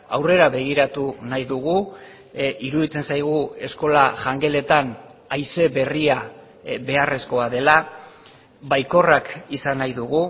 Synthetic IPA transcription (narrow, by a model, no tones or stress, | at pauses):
awre̞ɾaβe̞ɣ̞iɾat̪unajðuɣ̞u | iɾuðit͡se̞nsajɣ̞ue̞sko̞laʝaŋɡe̞le̞t̪anajse̞βe̞ria | βe̞are̞sko̞aðe̞la | βajko̞rakisanajðuɣu